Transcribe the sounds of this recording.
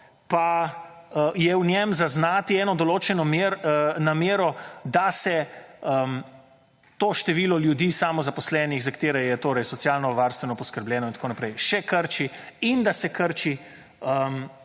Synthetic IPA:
pa | əjɛwnʲɛmzaznaːt̪iɛːnɔd̪oloːt͡ʃɛnɔmeɾnameːɾɔd̪asɛəm | t̪oːʃt̪ɛʋiːlɔljud̪isamɔzapɔslɛːnixzakt̪eːɾɛjɛt̪oːɾɛjsɔtsjaːlnɔʋaɾst̪ʋɛnɔpɔskəɾbljɛːnɔint̪akoːnapɾɛjʃɛkəɾt͡ʃiind̪asɛkəɾt͡ʃi | əm

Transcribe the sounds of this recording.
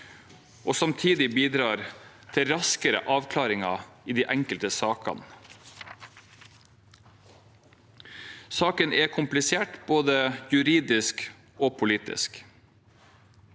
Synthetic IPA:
ʔoːsɑmt̪ʰiːd̪ɪbiːd̪ɾɑːɾ | t̪ʰɪɾɑskəɾə̰ʔɑːʋkʰlɑːɾɪŋɑ̰iːd̪iːʔæŋkəlt̪əsɑːkɑ̰n | sɑːkənʔɛkʰʊmplɪseːʈb̥oːd̪əjʉɾiːd̪ɪsk | oːpʰʊliːt̪ɪ̰sk

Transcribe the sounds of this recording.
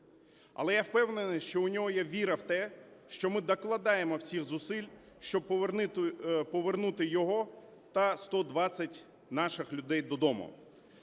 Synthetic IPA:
ɐ̰lˠɛjawpɛwnenɪʃt͡ʃɔʊnʲɔɦɔjaʋʲiɾɐwt̪ɛʃt͡ʃɔmɪd̪ɐklˠɐd̪ɑjemɔwsʲixzʊsɪlʲ | ʃt͡ʃɔb̪̚ | pɔʋernut̪ɪjɔɦɔ | t̪ɐst̪ɔd̪ʋɑt͡sʲɐtʲ | nɑʃɪxlʲʊd̪ɛjd̪ɔd̪ɔmʊ̰

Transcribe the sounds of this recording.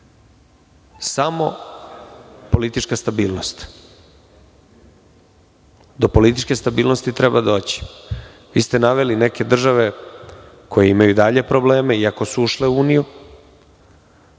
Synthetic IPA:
samo̞̰ | po̞lit̪it͡ʃkast̪abiːlˠno̞st̪ | d̪opo̞lit̪it͡ʃke̞st̪abiːlˠno̞st̪it̪ɾebad̪o̞ːt͡ɕi̥ | ʋḭːst̪enaʋe̞lineke̞d̪r̩ʒaʋe | kʰo̞jeimajud̪aʎe̞pɾo̞ble̞ːmeiako̞suuʃleuuːniju

